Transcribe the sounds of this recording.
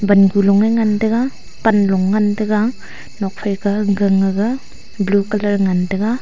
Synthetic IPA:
banɡulɔŋaŋandɐɡa | panlɔŋːandɐɡa | nɔk̚pʰajɡaɡɯŋːaɡa | blukɐlɐɾŋandɐɡa

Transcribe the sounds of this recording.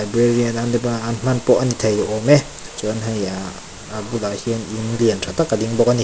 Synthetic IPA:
jbɾeɾianandepɔnaanm̥anpɔʔ̚anit̪ʰajlɔʔɔmɛ | t͡ʃɔnɦaja | abulahininliəntʰat̪akːadiŋbɔkani

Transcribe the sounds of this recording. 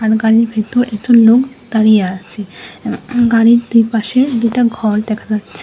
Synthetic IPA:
aɾɡaɾiɾbʱet̪uɾʔɛkʈulok | d̪̥aɾijeaʃt͡ɕʰe | ɡaɾiɾd̪ujpaʃed̪ujʈaɡʱɔɽd̪ɛkʰad͡ʑatːɕʰe

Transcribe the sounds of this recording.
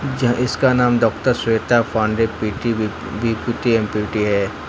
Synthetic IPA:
d͡ʒɪskanaːmɖɔːkʈəɾseːt̪apʰãːɳɖepiʈi | bipiːʈiẽmpiʈiɦɛː

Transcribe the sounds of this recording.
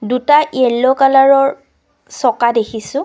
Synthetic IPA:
dutaʔiɛlːɔkalaɹɔɹ | sɔkadekʰisʊ̃

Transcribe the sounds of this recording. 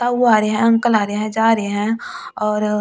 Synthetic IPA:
t̪aːaːɾeɦɛ̃ɐ̃ŋkəlaːɾeɦɛ̃d͡ʒaːɾeeɦɛ̃ | ɔːɾ

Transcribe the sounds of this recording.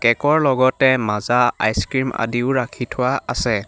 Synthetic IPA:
kɛkɔɹlɔɡɔtɛmazaa̰jskɹima̰diʊɹakʰitʰʊwaasɛ

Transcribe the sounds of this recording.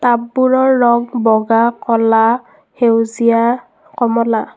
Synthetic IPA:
tabːuɹɔɹːɔŋbɔɡakɔla | hewzija | kɔmɔla

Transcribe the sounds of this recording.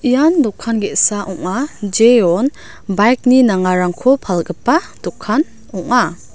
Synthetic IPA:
ijandɔkʰːanɡetsaʔɔŋad͡ʒeɔn | bajk̚ninaŋaɾaŋkʰopʰalɡɯpːa | d̥ɔkʰːan | ɔŋa

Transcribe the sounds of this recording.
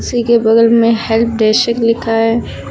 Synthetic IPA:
sikebɐd̪əlmẽhɛlp̚ʰd̪ɛːʃəklɪkʰaɦɛː

